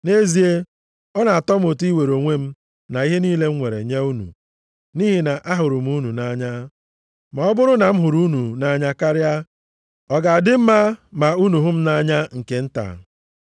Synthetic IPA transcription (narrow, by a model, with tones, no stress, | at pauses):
ne˦zi˨˦e˦ | ɔ˦na˨a˨tɔ˦m˦o˨ti˦we˨ɾo˨ŋʷe˦m̩˦ | na˨i˦ɦe˦niː˦le˦ŋ̩˦ŋʷe˨ɾḛ˨ɲe˦u˦nṵ˨ | ni˦ɦi˨na˨ʔa˦ɦʊ˨ɾʊ˨m̩˦u˦nu˨na˦ɲa˦ | ma˨ɔ˦bʊ˦ɾʊ˦na˨m̩˦ɦʊ˨ɾu˦nu˨na˦ɲa˦ka˦ɾja˦ | ɔ˨ɡa˨a˨dɪ˦m̩˦ma˦ma˨u˦nu˨ɦʊ˦m̩˦na˦ɲa˦ŋ̩˨ke˨n̩˦ta̰˨